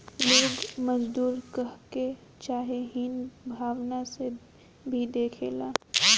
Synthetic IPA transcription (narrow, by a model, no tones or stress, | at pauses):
loːɡmɐd͡ʒd̪uːɾkɐɦke | t͡ʃaːɦeɦinbʱaːʋnase | bʱid̪eːkʰḛːlaː